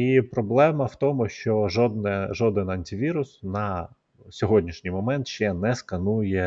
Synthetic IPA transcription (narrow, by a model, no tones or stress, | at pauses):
ipɾɔblˠɛmɐwt̪ɔmʊʃt͡ʃɔʒɔd̪nɛʒɔd̪ɪnɐnʲtʲɪʋʲiɾʊsnɐ | sʲɔɦɔdʲnʲiʃnʲijmɔmɛnt̪ʃt͡ʃɛnɛskɐnujɛ